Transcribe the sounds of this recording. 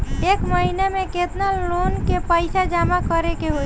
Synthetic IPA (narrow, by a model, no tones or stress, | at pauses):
ekməɦinemeket̪nalːonkepəjsad͡ʒamakəɾekeɦo